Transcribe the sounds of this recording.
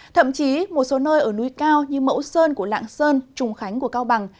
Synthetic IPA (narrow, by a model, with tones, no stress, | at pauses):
t̪ʰə̰˧˨mt͡ɕi˨˦mo˨˩t̚so˨˦nəː˧jʔəː˧˩nu˧˩jkaː˧wɲɨ˧mə̰˧˥wsəː˧nku˧˩əla̰ː˧˨ŋsəː˧nt͡ɕʊ˨˩ŋ͡mxa˨˦jŋ̟ku˧˩əkaː˧wɓa˨˩ŋ